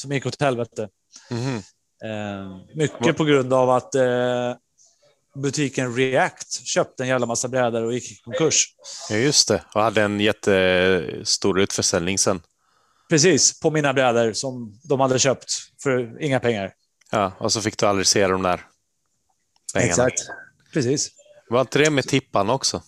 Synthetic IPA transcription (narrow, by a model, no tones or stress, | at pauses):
sɔmjɪkːɔt̪hɛlvɛt̪ə | mʏkːəpʰɔɡɾɵnd̪avat̪ | bɵt̪ʰiːkənɾɪækt̪ɕøːp̚t̪əɛnjæːvlamasːabɾɛːd̪əɾɔjɪkːɪkʰɔŋkɵʂjɵst̪ʰɛɔhad̪ːəɛnjɛt̪ʰːə | st̪uːɾʉ̟ːt̪fœʂɛlnɪŋsɛnː | pʰɾɛs̬iːspʰɔmiːnabɾɛːd̪əɾsɔmd̪ɔmhad̪ːəɕøːpt̪fœɾɪŋːapʰɛŋːaɾ | jɑːɔsɔfɪkːd̪ɵald̪ɾɪseːld̪ɔmd̪æ̰ːɾ | ppʰɛɛŋːasakt̪ | pʰɾɛsiːs | vaɾɪnt̪əd̪ɛmɛt̪ʰɪpːanɔksɔ